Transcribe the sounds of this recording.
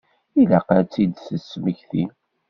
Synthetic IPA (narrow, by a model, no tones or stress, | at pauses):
ilaqət͡sːid̪səsməçθḭ